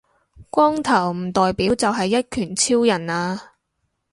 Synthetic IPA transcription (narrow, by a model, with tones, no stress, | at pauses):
kʷɔː˥ŋt̪ʰɐ˨˩wm̩˨˩t̪ɔː˨jpiː˨˥wt͡sɐ˨wɦɐ˨jːɐ˥t̚kʰyː˨˩nt͡sʰiː˥wjɐ˨˩naː˧